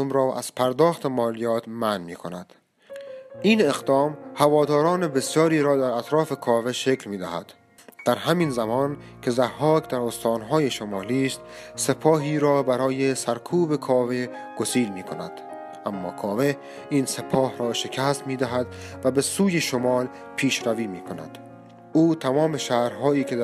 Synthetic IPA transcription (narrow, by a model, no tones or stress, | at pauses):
omɾɒːʔæ̰z̥pʰæɾd̪ɒːxt̪e̞mɒːlijɒːt̪mænmiːkʰonæd̪̥ | ʔiːne̞ɣd̪ɒːmhævɒːd̪ɒːɾɒːnebe̞sjɒːɾiːɾɒːd̪æɾæt̪ɾɒːfe̞kʰɒːve̞ʃe̞klmiːd̪æhæ̰d̪̥ː | æɾɦæmiːnzæmɒːn | kʰe̞zæhːɒːkd̪æɾost̪ɒːnɦɒːjeʃomɒːliːst̪se̞pʰɒːɦiːɾɒːbæɾɒːjesæɾkʰuːbe̞kʰɒːve̞ | ɡ̥osiːlmiːkʰonæd̪̥ | ʔæmːɒ̰ːkʰɒːve | iːnse̞pʰɒːhɾɒːʃekʰæst̪miːd̪æɦæd̪væbe̞suːjeʃomɒːl | pʰiːʃɾæviːmiːkʰonæ̰d̪̥ | uːt̪ʰæmɒːme̞ʃæːhɾɦɒːiːkʰe